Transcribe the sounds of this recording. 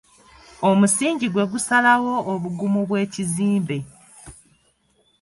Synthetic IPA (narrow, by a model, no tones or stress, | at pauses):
omusiːɲɟiɡwe̞ɡusalawo̞ːβuɡumuβwe̞ːciziːmbe̞